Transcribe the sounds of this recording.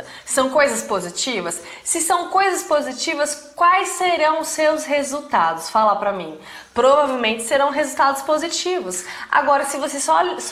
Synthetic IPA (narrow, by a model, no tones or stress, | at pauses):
sɐ̃w̃kojzɐspozit͡ʃivɐsːɪsɐ̃w̃kojzɐspozit͡ʃivɐskwajsːeɾɐ̃w̃ʊsːewshezuwt̪ad̪ʊsfalapɾɐmĩ | pɾovavewmẽnt͡ʃɪ̥seɾɐ̃w̃ɦezut̪ad̪ʊspozit͡ʃivʊsa̰ɡɔɾɐsɪvosesɔ